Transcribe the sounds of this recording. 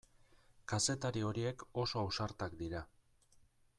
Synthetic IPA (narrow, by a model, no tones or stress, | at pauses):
kase̞t̪aɾio̞ɾie̞ko̞so̞awsaɾt̪akd̪iɾa